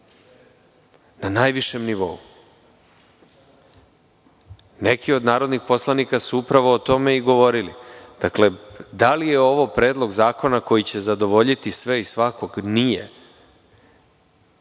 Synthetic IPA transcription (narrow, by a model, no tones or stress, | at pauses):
nanaːjʋiʃe̞mniʋo̞̰u | nekio̞d̪naːɾo̞d̪nixpo̞slˠanikasuupɾaʋoːt̪o̞me̞iɡo̞ʋo̞ɾilid̪̥akle̞d̪alijeo̞ʋo̞pɾe̞ːd̪lˠo̞ɡzaːko̞nako̞jit͡ɕe̞zad̪o̞ʋo̞ʎit̪isʋe̞isʋako̞ɡnijḛ